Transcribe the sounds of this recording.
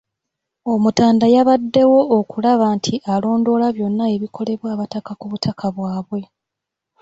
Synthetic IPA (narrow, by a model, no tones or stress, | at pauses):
o̞mutaːndajaβadːe̞wo̞ːkulaβaːntʰiʔalo̞ːndo̞laβjo̞nːae̞βikʰo̞le̞βwaːβatakakuβutʰakʰaβwaːβwe̞